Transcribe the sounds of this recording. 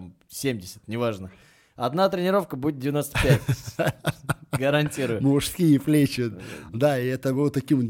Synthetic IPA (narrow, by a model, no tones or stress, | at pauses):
m | sʲemʲdʲɪsʲə̥t̪nʲɪvaʐnə | ɐd̪nat̪ɾʲɪnʲɪɾo̞fkəbudʲɪt̪̚dʲɪvʲɪnost̪əpʲætʲ | ɡəɾɐnʲtʲiɾʊjʊmʊʂskʲijəflʲet͡ɕɪt̪d̪aiɛt̪əbɨlˠt̪ːɐkʲim